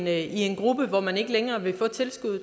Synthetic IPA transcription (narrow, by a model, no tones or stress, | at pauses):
nie̝nɡ̥ʁub̥əʋɒmæne̝ɡ̥əleŋɐːʋe̝fɔ̽ːt͡sʰe̝lsɡ̥uð̰ˠ